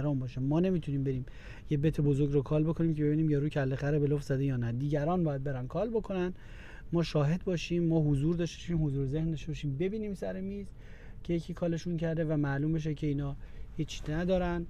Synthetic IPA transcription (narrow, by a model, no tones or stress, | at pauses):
ɾɒːnbɒːʃæmɒːne̞miːt̪ʰuniːmbe̞ɾiːm | jebet̪ʰebozoɾɡɾokʰɒːlbo̞kʰo̞niːmcʰebeiːniːmjɒɾuːcʰælːexæɾebeloft̪zæd̪ejɒːnæd̪iːɟæɾɒːnbɒːjæd̪̚be̞ɾænkʰɒːlbo̞kʰo̞næn | mɒːʃɒːɦe̞d̪̚bɒːʃiːmːɒːɦozuːɾd̪ɒːʃt̪e̥ɔʃiːmhozuːɾezehnd̪ɒʃt̪eɔʃiːmbe̞biːniːmsæɾe̞miːz | cʰe̞jecʰiːkʰɒːle̞ʃuncʰæɾd̪e̞væmæluːmbe̞ʃ̬ecʰe̞iːnɒːhiːt͡ʃʰːnæd̪ɒːɾæn